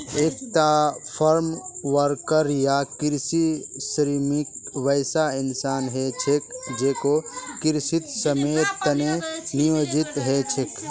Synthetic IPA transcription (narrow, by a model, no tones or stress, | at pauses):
eːk̚ʰt̪apʰəɾmʋəɾkəɾjakiɾsisɾimikʋəjsaɪnsaːnɦet͡ʃʰekd͡ʒeːkokiɾsit̪səmet̪ːənenijoːd͡ʒit̪ɦet͡ʃʰek